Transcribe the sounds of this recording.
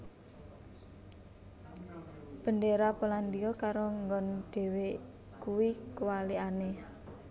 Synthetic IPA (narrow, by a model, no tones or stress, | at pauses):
b̥ə̤ndeɾapəland̪iɔkaɾoŋɡɔnɖ̪̥e̤we | kuwikəwaliane